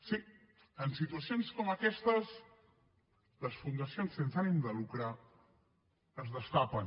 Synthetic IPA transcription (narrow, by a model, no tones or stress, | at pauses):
si | ənsit̪uəsionskɔməkɛst̪əs | ləsfund̪əsionsensanimd̪əlukɾa | əzðəst̪apən